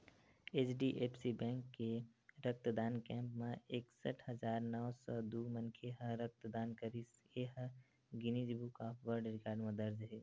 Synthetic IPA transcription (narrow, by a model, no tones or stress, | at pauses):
eːt͡ʃɖiʔeːpsibɛ̃ːŋkːeɾək̚t̪d̪aːnkɛ̃ːmpmẽeːksəʈʰhəd͡ʒaːɾnɔːsɔd̪uːmənkʰeɦə̃ɾək̚t̪d̪aːnkəɾiseɦə | ɡɪnid͡ʒbukapʰʋəɾɖɾɪkaːɾɖmẽd̪əɾd͡ʒɦeː